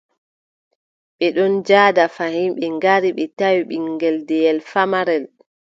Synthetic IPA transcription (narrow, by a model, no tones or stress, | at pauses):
ɓɛɗɔnd͡ʒaːdafahimɓɛŋɡaɾiɓɛtawiɓiŋɡɛldɛjɛlfamaɾɛl